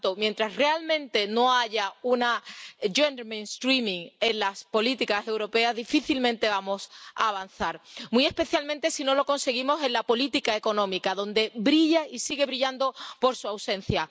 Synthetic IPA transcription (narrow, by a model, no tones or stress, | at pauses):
t̪omje̞nt̪ɾasre̞almẽ̞nt̪e̞no̞aʝaunaʝend̪ɾmẽnst̪ɾimĩŋe̞nlaspo̞lit̪ikase̞wɾo̞pe̞azðifiθilmẽnt̪e̞βamo̞sa̰ːβ̞an̟θaɾmie̞spe̞θjalmẽnt̪e̞sino̞lo̞ko̞nse̞ɣ̞imose̞nlapo̞lit̪ikaeko̞nõ̞mikaðo̞nd̪e̞bɾiʝaisiɣe̞βɾiʎand̪o̞po̞ɾsuawse̞n̟θja